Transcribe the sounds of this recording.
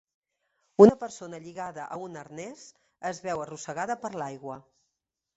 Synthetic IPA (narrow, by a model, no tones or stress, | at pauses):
unəpəɾsonəʎiɣaðəʔəunəɾnɛz | əzβɛwərusəɣaðəpəɾlajɣwə